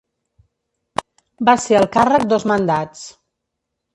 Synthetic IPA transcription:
baseəlˠkarək̚d̪ozmənd̪at͡s

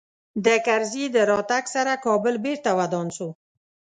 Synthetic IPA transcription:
d̪əkaɾzid̪əɾɑt̪aksaɾakɑbəlbeɾt̪awad̪ɔnso

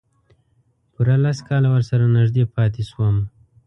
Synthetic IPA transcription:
puɾalaskɑlawəɾsaɾanɪʒd̪epɑt̪eʃwəm

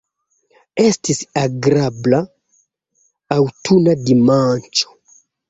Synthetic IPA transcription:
est̪isaɡɾabla | wt̪ʰunadimant͡ʃo̥

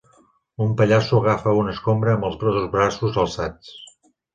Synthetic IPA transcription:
umpəʎasuəɣ̞afəunəskombɾəːmbəlˠzβɾɔðuzβɾasuzəlˠsat͡s

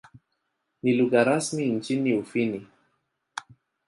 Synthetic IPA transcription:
niluɣaɾasmin̩t͡ʃiniufini

